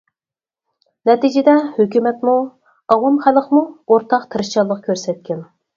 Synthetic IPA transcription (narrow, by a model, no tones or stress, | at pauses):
nɛt̪id͡ʒɪd̪ɛhøkʲymɛt̪mu | ɑʁumχæləqmuoɾt̪ʰɑqt̪ʰɨɾɨʃt͡ʃɑlˠːəq̚kʲʰøɾsɛt̪̚kʲɛn